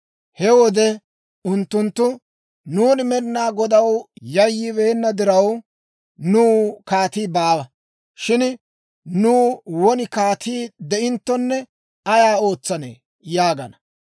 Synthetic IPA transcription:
hɛwɔd̪ɛ | ʊnt̪ːʊnt̪ːʊ | nuːnɪmɛɾɪnaːɡɔd̪ɐwjɐjːɪβe̞ːnːɐd̪ɪɾɐw | nuːkaːt̪iːbaːwɐ | ʃɪn | nuːwɔnɪkaːt̪iːd̪ɛʔɪnt̪ːɔnːɛ | ɐjaːo̞ːt͡sːɐnḛː | jaːɡɐnɐ

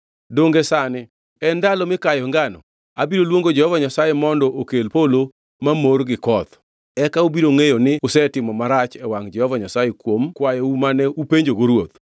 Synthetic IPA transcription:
doŋɡesanɪ | ɛndalɔmɪkajɔŋɡanɔ̰ | abiɾolwoŋɡod͡ʒɛhɔvaɲasajemɔndɔʔokelpolo | mamorɡɪkɔt̪ | ɛkaubiɾoŋejonɪʊsɛtɪmɔmaɾat͡ʃɛwaŋd͡ʒɛhɔvaɲasajekwomkwajɔumanɛupeɲd͡ʒoɡoɾwot̪

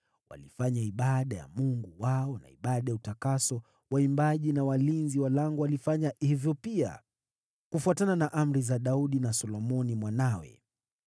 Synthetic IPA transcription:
wa̰lifaɲaiɓaɗaja̰muŋɡuwaɔna̰iɓaɗajautakasɔ | waimbaʄinawalinziwalaŋɡɔwalifaɲahivjɔpia̰ | kufuatananaʔam̩ɾizaɗauɗinasɔlɔmɔnimwanawɛ̰

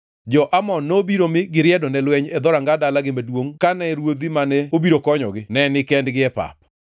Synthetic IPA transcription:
d͡ʒɔʔamɔnːobiɾomɪɡɪɾɪɛdɔnɛlwɛɲɛd̪ɔɾaŋɡadalaɡɪmadwoŋkanɛɾwod̪imanɛobiɾokɔɲɔ̰ɡɪnɛnɪkɛndɡɪɛpa̰p̚

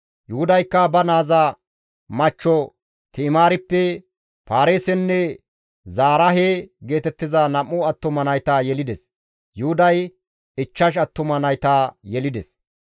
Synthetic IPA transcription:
jʊhʊd̪ɐjkːɐbɐnaːzɐ | mɐt͡ʃːɔ | t̪ɪːmaːɾɪpːɛ | paːɾeːsɛnːɛ | zaːɾɐɦeɡe̞ːt̪ɛt̪ːɪzɐnɐmːʊɐt̪ːʊmɐnɐjt̪aːjɛlɪd̪ɛs | jʊhʊd̪ɐj | ɪt͡ʃːɐʃ̬ɐt̪ːʊmɐnɐjt̪aːjɛlɪd̪ɛs

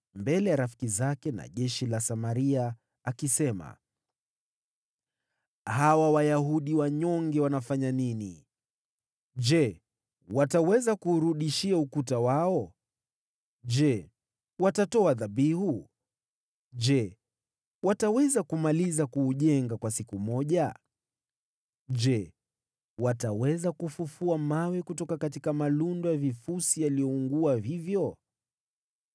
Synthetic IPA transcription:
mbɛlɛjaɾafi̥kizakɛna̰ʄɛʃilasamaɾiaː | kisɛma̰ | hawawajaɦuɗiwaɲɔŋɡɛwanafaɲaninḭ | ʄd͡ʒɛ | watawɛzakuːɾuɗiʃiaukutawaɔ | ʄɛ | watatɔaðaɓihu | d͡ʒɛ | watawɛzakumalizakuːʄɛŋɡakwasikumɔʄa | ʄd͡ʒɛ | watawɛzakufufuamawɛkutɔkakatikamalundɔjavifusijalijɔuŋɡuaɦivjɔ

